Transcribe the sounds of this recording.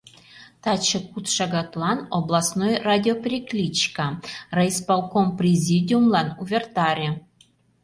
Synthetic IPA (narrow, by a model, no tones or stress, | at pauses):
t̪ɑt͡ɕɤ̆kut̪ʂɑɡɑt̪lˠɑnoblˠɑsnojradʲɪopʲrʲiklʲit͡ɕkɑrajspɑlˠkomprʲezʲidʲiumlˠɑnuvʲert̪ɑɾʲe